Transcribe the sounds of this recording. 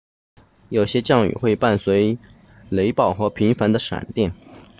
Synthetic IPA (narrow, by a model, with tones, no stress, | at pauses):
jo˨˩ʊɕjɛ˥t͡ɕjɑ˥˩ŋy̰˨˩xwe˥˧ɪpa˥˩nswe˧˥ɪ | le˧˥ɪpɑ˥˩ʊxɤ˧˥pʰi˧˥ŋfa˧˥nd̪ə˧ʂa̰˨˩nt̪jɛ˥˩n